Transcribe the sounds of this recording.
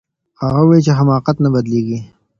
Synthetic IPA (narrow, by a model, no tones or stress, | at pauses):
haɣawait͡ʃeɦamɑːqat̪nabɐd̪leɡi